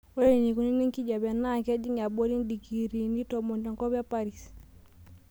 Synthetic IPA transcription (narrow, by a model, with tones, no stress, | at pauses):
ɔ˦e˦ɾi˨ni˨ku˦ni˦ni˦ŋki˦d͡ʒa˨bja˨na˦˨kɛ˦d͡ʒi˦ŋ˨a˨bɔ˦ɾi˦n˦di˨ki˨ɾi˨ni˦tɔ˨mɔ˨nta˨ŋkɔ˦bja˦pa˦ɾi˨si̥